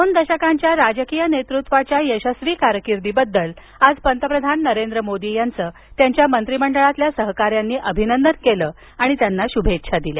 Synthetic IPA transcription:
d̪ond̪əɕəkaɲt͡ɕjaɾad͡zəkijənet̪ɾut̪ʋat͡ɕjajəɕəsʋiːkaɾəkiɾd̪iːbəd̪ːəl | ad͡zpənt̪əpɾəd̪ʱanːəɾend̪ɾəmod̪ijant͡səː | t̪jaɲt͡ɕjamənt̪ɾiməɳɖəɭat̪ljasəɦkaɾjanːiːʔəbʱinənd̪ənkeləː | aɽ̃it̪janːaɕubʱetːɕʰad̪ilja̰

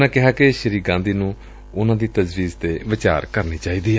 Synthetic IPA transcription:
nãːkɪɦaːkeʃəɾiːkɡãːnd̪iːnũː | ʊnãːd̪iːt̪əzʋiːzt̪eːʋɪt͡ʃa̰ːɾkəɾniːt͡ʃaːiːd̪iː

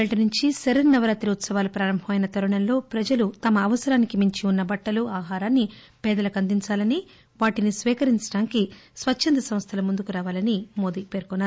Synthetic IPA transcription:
eɭɐʈɐnuɲt͡ʃiseɾɐɾnɐʋɐɾaːt̪ɾiut̪sɐʋaːlupɾaːɾɐmbʱɐmɐjinɐt̪ɐɾuɳɐmlo̞ːpɾɐd͡ʒɐlut̪ɐmɐːʋɐsɐɾaːnikimiɲt͡ʃiunːɐbɐʈːɐluaːɦaːɾaːnːi | pɛːd̪ɐlɐkɐnd̪iɲt͡ʃaːlɐni | ʋaːʈinisʋɛːkɐɾiɲt͡ʃɐ̥ɽaːnkisʋɐt͡ʃːt͡ʃʰːɐnd̪ɐsɐm̃st̪ʰɐlɐmund̪ukuɾaːʋaːlɐnimo̞ːd̪ipe̞ːɾkɔnːaːɾ

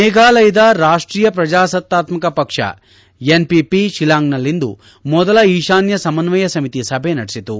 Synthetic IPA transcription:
nɛːɡaːlɐjɐd̪ɐɾaːʂʈɾiːjɐpɾɐd͡ʒaːsɐt̪ːaːt̪mɐkɐpɐkʂɐ̰ | enpipiʃilaːŋɡnɐlːind̪ṵ | mɔd̪ɐlɐiːʃaːnjɐsɐmɐnʋɐjɐsɐmit̪isɐbʱenɐɽisit̪u

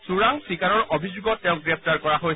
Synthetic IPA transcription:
suɹaŋsikaɹɔɹobʱizuɡɔtɛ̃ʊ̃ɡɹɛp̚ʰtaɹkɔɹaɦoj

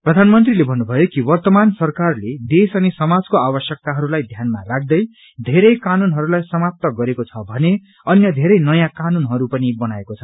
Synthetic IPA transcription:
prʌd̪ʱanmʌnt̪rilebʱʌnːubʱʌjokiwʌrt̪ʌmansʌrkarled̪esʌnisʌmad͡zkoabʌsjʌk̚t̪aɦʌɾulajd̪ʱjanmarak̚d̪ʌj | d̪ʱeɾʌjkanunɦʌɾulajsʌmap̚t̪ʌɡʌɾekot͡sʰʌbʱʌne | ʌnjʌd̪ʱeɾʌjnʌjãkanunɦʌɾupʌnibʌnaekot͡sʰʌ

